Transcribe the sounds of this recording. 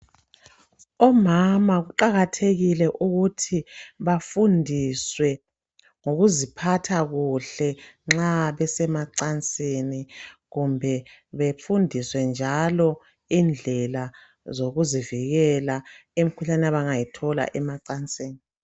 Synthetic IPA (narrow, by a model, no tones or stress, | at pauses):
ɔmamaɣuǃaɣatʰeɣilɛʔuɣutʰiβafundʱiswɛ | ŋoɣuzipʰatʰaɣuɬɛŋ͡ǁaβɛsɛmaǀant͡sʼeniɣumbʱɛβefundʱiswɛnd͡ʒʱalɔ | ind͡ɮʱɛla | zoɣuziviɣɛlaemikʰuɬanɛaβaŋajitʰɔla̰ʔɛmaǀant͡sʼeːni